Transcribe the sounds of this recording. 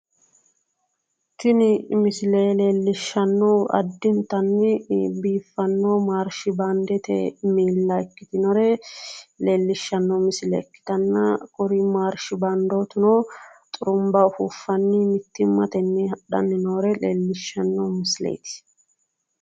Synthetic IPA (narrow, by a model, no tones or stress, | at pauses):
t̪ɪnɪmɪsɪleːle̞ːlːɪʃːɐnːoːɐ̰d̪ːɪnt̪ɐnːɪbiːfːɐnːoːmaːɾʃɪband̪ɛt̪ɛ̰miːlːɐɛkːɪt̪ɪnɔɾɛ | leːlːɪʃːɐnːomɪsɪlɛ̰kːɪ̥t̪ɐnːɐkʼʊɾiːmaːɾʃɪbɐnd̪oːt̪ʊnoːt̪ʼʊɾʊmbɐhufːɐnːiːmɪt̪ːɪmːɐt̪ɛnːihɐɗɐ̰nːɪnoːɾɛleːlːɪʃːɐnːoːmɪslḛːt̪ɪ̥